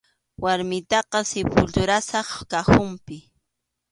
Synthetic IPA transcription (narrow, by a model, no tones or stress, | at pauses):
waɾmɪt̪ɑqɑsɪpʊlt̪ʊɾasɑχkaxʊmpɪ